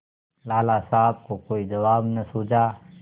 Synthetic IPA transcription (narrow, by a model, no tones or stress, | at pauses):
laːlasaːb̚kokoːid͡ʒɐʋaːbnɐsuːd͡ʒaː